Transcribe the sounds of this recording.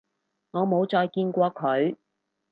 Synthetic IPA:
ŋɔː˨˧mo˨˧wt͡sɔː˧jkiː˧nkʷɔː˧kʰɵ˨˧ɥ

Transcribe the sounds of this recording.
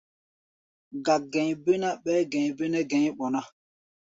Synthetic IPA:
ɡa˨ɡɛ̃˨ɲbe˦na˦ɓɛː˦ɡɛ̃˨ɲ˨be˦nɛ˦ɡɛ̃˨˦ɲ˦ɓɔ˨na˦

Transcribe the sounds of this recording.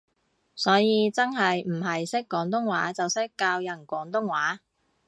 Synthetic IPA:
sɔː˨˥jiː˨˧t͡sɐ˥nɦɐ˨jm̩˨˩ɦɐ˨jsɪ˥kːɔː˨˥ŋt̪ʊ˥ŋwa̰ː˨˥t͡sɐ˨wsɪ˥kːaː˧wjɐ˨˩nkʷɔː˨˥ŋt̪ʊ˥ŋwaː˨˥

